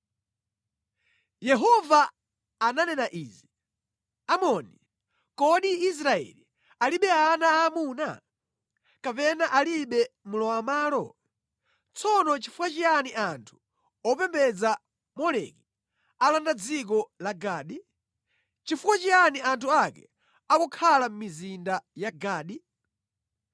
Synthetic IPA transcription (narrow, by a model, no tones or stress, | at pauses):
jɛɦɔvaː | nanɛnaʔiːzi | amɔni | kɔɗiis̬ɾaɛ̰li | aliɓɛanaːmuːna̰ | kapɛnaʔaliɓɛmulɔamaːlɔ | t͡sʰɔnɔt͡ʃifukwat͡ʃianiʔantʰu̥ | ɔpɛmbɛd͡za | mɔlɛ̰ki | alandad͡zik̬ɔlaɡaːɗi | t͡ʃifukwat͡ʃianiantʰuakɛ̰ | akɔkʰalam̩mizindajaɡaːɗi